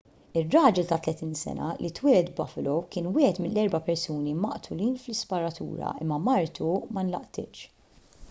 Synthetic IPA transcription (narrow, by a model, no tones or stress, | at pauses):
ɪrːɐːd͡ʒɛlt̪ɐt̪lɛt̪iːnsɛ̰nɐ̰lʔit̪wɪːɾɛt̪bɐflɔwkɪːnwɪːhɛt̪mɪnːɛɾbɐpɛɾsuːnimɐʔt̪ʰʊliːnflɪspɐɾɐt̪ṵːɾɐ̰ʔɪ̰mːɐmɐɾt̪umɐnlɐʔt̪ɪ̰ːt͡ʃ